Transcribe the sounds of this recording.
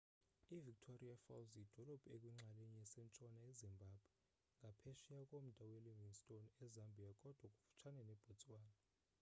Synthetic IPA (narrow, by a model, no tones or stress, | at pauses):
ivik̚tʰoriafa̰wzid̥ʱɔlɔb̥ʱʼekʼwiŋ͡ǁʱalɛɲɛɛsɛnt͡ʃʼɔnaezimbʱab̥ʱwɛ | ŋɡʱapʰɛʃijakʼom̩d̥ʱaweliviŋstʼonɛzambʱiakʼɔd̥ʱwakʼu̥fu̥t͡ʃʰanɛnɛb̥ʱot͡sʼwaːna